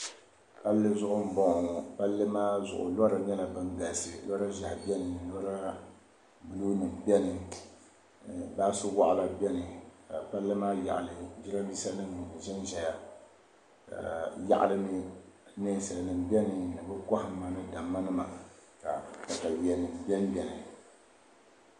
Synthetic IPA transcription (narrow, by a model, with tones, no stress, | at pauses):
pa˦lːɨ˦zʊ˦ʔʊ˦m̩˦bɔ˦ŋ˨pa˦lːɨ˦maː˦zʊ˨ʔʊ̰˨lɔ˦ɾa˨ɲɛ˦la˨bɨ˦nɡa˨lsɨ˨lɔ˦ɾa˦ʒa˨hbɛ˦nɨ˨lɔ˦ɾa˦ | bɨ˨˦lu˦nɨ˨m˨bɛ˦nɨ˨ | baː˦sʊ˦wa˦ʔla˨bɛ˦nɨ˨ka˨pa˦lːɨ˦maː˦ja̰˨ʔa˨lɨ˨d͡ʒi˦la˦bi˦sa˦nɨ˦m˨ʒɛ˦nʒɛ˨ja˦ | a̰˨ja̰˦ʔlɨ˦nɨ˦ne˦sa˨nɨ˨mbɛ˦nɨ˨nɨ˨bɨ˦kɔ˦hɪ˦ma˨nɨ˦da˨mːa˦nɨ˦ma˨ka˨ta˨ta˨bi˨ɛ˨nɨ˨m˨bɛ˦m˦bʲɛ˦nɨ˨